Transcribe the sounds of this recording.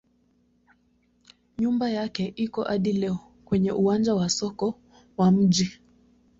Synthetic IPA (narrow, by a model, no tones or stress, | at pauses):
ɲumbajakɛʔikɔʔaɗilɛɔ | kwɛɲɛʔuand͡ʒawasɔkɔ | wam̩ʄi